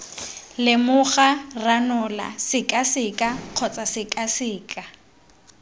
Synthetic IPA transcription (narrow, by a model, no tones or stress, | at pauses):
lɪmʊχaranʊla̰sɪkʼasɪkʼaq͡χʰɔt͡sʼasɪkʼasɪːkʼa